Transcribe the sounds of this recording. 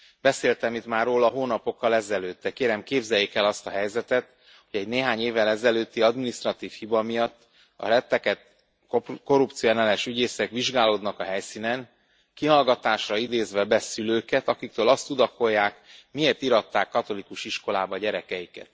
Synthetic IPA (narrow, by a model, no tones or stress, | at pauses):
b̥ɛseːlt̪ɛmit̪maːrːoːlɒɦoːnɒpo̞kːɒlɛzɛløːt̪ːɛkeːɾɛmkeːbzɛjːekɛlɒst̪ɒɦɛjzɛt̪ɛt̪ | ho̞ɟɛɟneːɦaːɲeːvːɛlɛzɛløːt̪ːiɒd̪minist̪rɒt̪iːfhibɒmijɒt̪ː | ɒ̰ɾɛt̪ːɛkɛt̪ | ko̞ɾupt̪sionɛlɛʃyɟeːsɛkʋiʒɡaːloːd̪nɒkɒɦɛjsiːnɛn | kiɦɒlɡɒt̪aːʃrɒid̪eːzʋɛbɛsyløːkɛt̪ɒkik̚t̪øːlɒst̪ud̪ɒko̞jːaːkmieːrt̪iɾɒt̪ːaːkːɒt̪o̞likuʃiʃko̞laːbɒɟɛɾɛkɛjikɛ̰t̪